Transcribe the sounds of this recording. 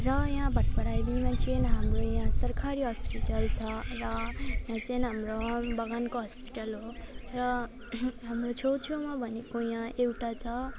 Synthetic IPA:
rʌjãbʱʌʈbʌɽajbimãt͡sʰinɦamrojãsʌrkʰaɾiɦʌspiʈʌlt͡sʰʌrʌjãt͡sinɦamrobʌɡankoɦʌspi̥ʈʌlɦorʌ | ɦamrot͡sʰowt͡sʰomabʱʌnekojãewʈat͡sʰʌ

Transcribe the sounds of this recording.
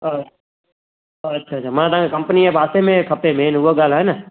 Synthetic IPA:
tːʃʰaːt͡ʃʰaːmãt̪ãkekəmpəniɛbʱaːsemẽkʰəpemẽːnuʋoɡaːlaːɦenaː

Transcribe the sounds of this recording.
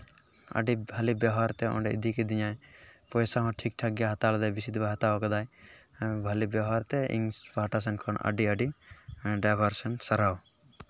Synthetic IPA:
a̰ɖibʱalibɔɦaɾt̪ɛɔ̰̃ɳɖɛḭd̪ʱikid̪iɲajpɔjsaɦɔ̃ʈʰik̚ʈʰaɡjaɦat̪alɔd̪ajbisid̪baɦat̪aɔkɔd̪aj | bʱalibɔɦaɾt̪ɛḭŋspaʈas̬ɛnkʰɔnə̰ɖiəɖi | ɖabʱaɾsɔnsɐɾaw

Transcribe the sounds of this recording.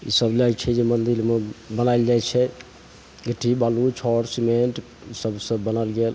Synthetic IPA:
ḭsəblat͡ʃʰɛd͡ʒemənd̪ilmebənaɪld͡ʒajt͡ʃʰɛ | ɡəʈʰibalut͡ʃʰɔɾsimeɳʈ | səbsə̃bːənəlɡel

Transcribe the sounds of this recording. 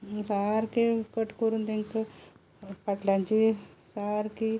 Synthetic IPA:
saːɾkikəʈkuɾund̪eŋk | paʈlãnt͡ʃisaːɾki

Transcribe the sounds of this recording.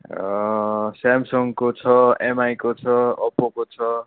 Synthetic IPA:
samsʌŋkot͡sʰʌemajkot͡sʰʌʌpokot͡sʰʌ

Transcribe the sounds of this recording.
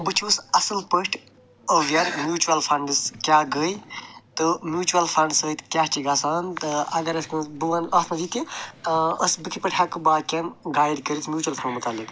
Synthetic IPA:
bɨt͡ʃʰiəsɐsɨlpəʂʈʰ | əʋjɐɾmjuːt͡ʃuɐlfʰɐɳɖɨskjaɡəːjt̪ɨmjuːt͡ʃuɐlfʰɐɳɖsət̪kʲaɦt͡ʃʰiɡaːsant̪ɨɐɡɐɾɐskbuʋɐnʔɐt̪ʰmɐd͡ʒit̪i | əsbɨkʰipɐʈʲʰakɨbaːkʲɐnɡaːjd̪kəɾit͡smjuːt͡ʃuɐlfʰɐɳɖmut̪alːik

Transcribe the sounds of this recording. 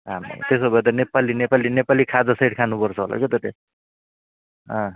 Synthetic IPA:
ɦamḭt̪esobʱʌet̪̬ʌnepalinepalinepalikʰad͡zʌsʌjʈkʰanupʌrt͡sʰʌɦo̰la̰ket̪ʌt̪e | ɦʌ̃

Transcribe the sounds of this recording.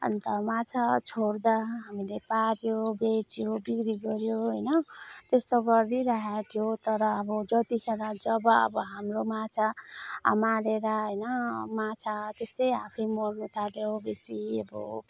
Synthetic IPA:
ʌ̰nt̪ʌmat͡sʰat͡sʰord̪aɦamilepaɾjobet͡sjobikɾiɡʌɾjoɦʌjnʌt̪est̪oɡʌrːiɾaɦat̪ʰijot̪ʌɾʌːbʌd͡zʌt̪ikʰeɾãd͡zʌbʌʌ̰bʌɦamromat͡sʰaa̰maɾeɾaɦʌjnʌmat͡sʰat̪esʌjapʰʌjmʌrnut̪ʰaljobesiʌbʌ̰

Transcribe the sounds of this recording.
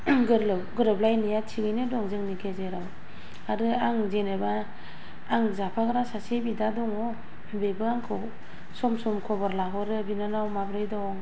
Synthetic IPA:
ɡɯɾlɯwɡɯɾɯblajnijatʰiɡɯjnɯdɔŋzɯŋnikʰezeɾaw | aɾɯaŋzenebaː | ŋzapʰaɡɯɾasasebidadɔŋɔ | bebɯaŋkʰɯ | sɔmsɔmkʰɔbaɾlaɦɔɾɯbinanawmabɾɯjdɔŋ

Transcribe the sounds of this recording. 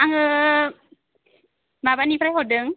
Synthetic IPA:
aŋə | mabanipɾɛɦodəŋ

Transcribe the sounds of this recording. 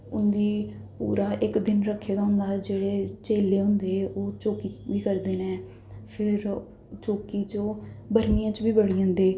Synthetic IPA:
ʊnd̪iːpṵːɾaːʔɪkd̪ɪnɾəkʰːeːd̪aːɦʊ̃nd̪aːd͡ʒeːɽeːt͡ʃeːleːɦʊ̃nd̪eːʔoːt͡ʃoːkiːbiːkəɾd̪eːnɛ̃ː | pʰɪɾ | t͡ʃoːkiːt͡ʃoːbəɾmiːjãːt͡ʃbiːbəɽiːãːnd̪eː

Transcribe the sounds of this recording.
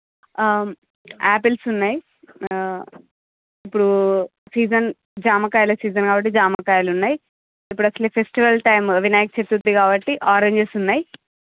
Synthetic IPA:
aːpelsunːaːji | ipːuɽusiːd͡ʒɐn | d͡ʒaːmɐkaːjɐlɐsiːd͡ʒɐnkaːbɐʈ̬ːid͡ʒaːmakaːjɐlunːaːji | ipːuɽɐsɐlepʰesʈiʋɐlʈɐjmɐʋʱinaːjɐkt͡ʃet̪ːut̪ːikaːbɐʈːiʔaːɾeɲd͡ʒesunːaːji

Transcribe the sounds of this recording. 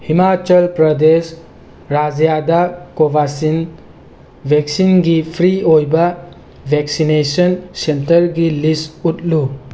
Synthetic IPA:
himat͡ʃəlpɾəd̪es | ɾad͡ʒjad̪akobasin | bʱeksinɡipʰɾiojba | bʱeksinesənsentəɾɡilisutlu

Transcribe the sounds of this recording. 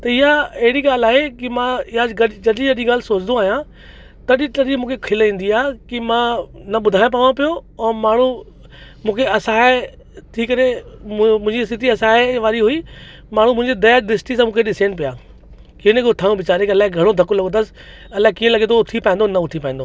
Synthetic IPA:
t̪ɐɪɦaɐɦɪɽiɡaːlaːɦekimãɪɦjad͡ʑɡɐɗd͡ʑɐɗiɡɐɗĩɡaːl̤ɪsoːt͡ɕɪd̪ũaːɦijã | t̪ɐɗit̪ɐɗĩmũːkʰekʰɪlĩːnd̪iaːkimãnɐɓʊd̪ʱaːɪj̃p̬aːʋãpijoɛ̃ːmaːɳ̤ũ | mũːkʰeɐsãːe | t̪ʰiːkɐɾe | mʊ̃ɦɪ̃ɲd͡ʑist̪ɪt̪ʰiɐsãːeʋaːɾiɦui | maːɳ̤̃ũmʊ̃ɦɪ̃ɲd͡ʑed̪ɐjaɗ̪ɪsʈisãːmũːkʰeɗɪseːñpijaː | kiə̃nekot̪ʰaːjũʋɪt͡ɕaːɾẽkiɐlaːɦɪeɡʱɐɽ̃od̪ʱɐkolɐɡ̃nd̪əsɪ̥ | ɐlaːekiːə̃lɐɡẽt̪oʊt̪ʰipaːĩnd̪onɐʊt̪ʰipaːĩːnd̪oː

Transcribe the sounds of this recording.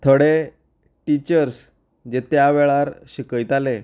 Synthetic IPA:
t̪ʰəɽe | ʈit͡ɕəɾs | d͡ʑet̪jaʋɛɭaɾɕikəjt̪ale

